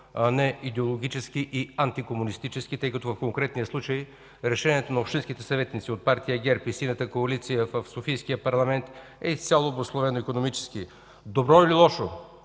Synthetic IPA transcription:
ɐnɛid̪ɛolˠoɡʲit͡ʃɛsk̟iʔiant̪ikomunist̪it͡ʃɛskit̪əjkɐt̪ovəfkoŋkɾɛt̪nijəslˠut͡ʃəj | ɾɛʃɛnʲiɛt̪onɐopʃt̪ĩnskit̪ɛsɐvɛt̪nit̪siot̪̚paɾt̪ijəɡʲɛɾpisinət̪əkoɐlit̪sijəvəfsofijskijəpɐɾlˠɐmɛnt̪ | ɛist̪sʲalˠoboslˠovɛnoikonomit͡ʃɛ̥ski | d̪obɾɔililˠɔʃo

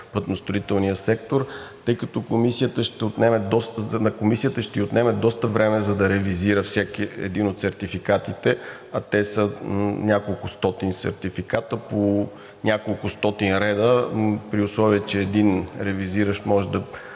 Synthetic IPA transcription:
pət̪nost̪ɾʊit̪ɛlˠnijəsɛk̚t̪oɾt̪ɤjkɐt̪ɔkomisijət̪əʃt̪ɛot̪nɛmɛd̪ɔsnkomisijət̪əʃt̪ɛiot̪nɛmɛd̪ɔst̪əvɾɛmɛzɐd̪ɐɾɛviziɾəfsʲakiɛ̰d̪inot̪sɛɾt̪ifikat̪it̪ɛ | ɐt̪ɛsənʲakolˠkʊst̪ɔt̪insɛ̰ɾt̪ifikat̪əpo | nʲakolˠʊst̪ɔt̪inɾɛd̪əpɾiʊslˠɔviɛt͡ʃɛːd̪inɾɛviziɾəʃmɔʒɛd̪ɐ

